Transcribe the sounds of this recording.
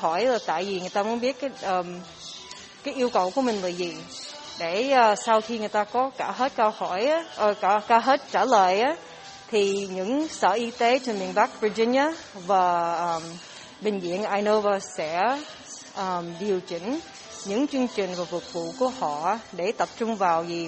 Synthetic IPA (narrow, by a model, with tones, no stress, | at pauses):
hɔ˧˩jlaː˨˩t̪a̰ː˧˨jvi˨˩ŋɨ˨˩əjt̪aː˧mu˨˦nɓi˦˥ət̚kaː˨˦jʔəː˨˩m | kaː˨˦jʔi˧əwkə˨˩wku˧˩˦əmï˨˩ŋ̟laː˨˩zi˨˩ | ɗe˧˩əː˨˩sa˧wxi˧ŋɨ˨˩əjt̪aː˧kɔ˨˦kaː˧˩ɦe˦˥t̚kə˧whɔ˧˩jʔa˦ʔəː˧ka˧˩kaː˧˩ɦe˦˥t̚t͡ɕaː˧˩ləː˧˨jʔaː˨˦ | t̪ʰi˨˩ɲɨ̰˧˥ŋsə̰ː˧˨ʔi˧t̪e˨˦t͡ɕe˧nmḭ˨˧˨ənɓa˦˥k̚vi˧zi˧n̟aː˨˧˦ | vaː˨˩ʔəː˨˩m | ɓï˨˩ŋ̟zḭ˧˨ənʔaː˧jno˧vəː˧sɛ̰˧˥ | ʔəː˨˩mɗi˨˩əwt͡ɕï˧˩ŋ̟ | ɲɨ̰˧˥ŋt͡ɕɨ˧əŋt͡ɕï˨˩ŋ̟vaː˨˩vʊ˨˩k̚vṵ˧˨ku˧˩əhɔ̰˧˨˧ɗe˧˩t̪ə˨˩p̚t͡ɕʊ˧ŋ͡mvaː˨˩wzi˨˩